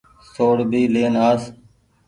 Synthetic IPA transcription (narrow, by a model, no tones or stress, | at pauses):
soːɽbiːleːnaːs